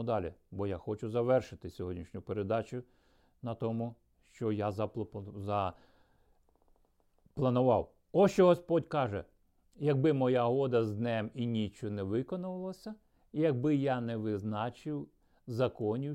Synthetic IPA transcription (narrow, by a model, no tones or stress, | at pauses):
d̪ɑlʲɪbɔjaxɔt͡ʃʊzɐʋɛrʃɪt̪ɪsʲɔɦɔdʲnʲiʃnʲʊpeɾed̪ɑt͡ʃʲʊ | nɐt̪ɔmʊ | ʃt͡ʃɔjazɐzɐ | plˠɐnʊʋɑw | ɔʃt͡ʃɔɦɔspɔdʲkɑʒɛ̰ | jɐɡ̚bɪmɔjaɦɔd̪ɐzd̪nɛminʲit͡ʃɔnɛʋɪkɔnʊʋɪlˠɐsʲɐ | jɐɡ̚bɪjanɛʋɪznɑt͡ʃɪw | zɐkɔnʲi